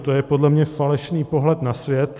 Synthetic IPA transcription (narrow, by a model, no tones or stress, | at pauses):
t̪ojɛpo̞dlɛmɲɛfalɛʃniːpo̞ɦlɛt̪nasvjɛt̪